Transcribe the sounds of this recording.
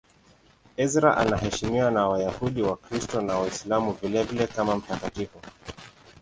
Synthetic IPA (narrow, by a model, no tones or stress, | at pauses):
ɛzɾa̰ʔa̰nahɛʃimiwanawajahuɗiwakɾistɔnawaislamuvilɛvilɛkamam̩takatifɔ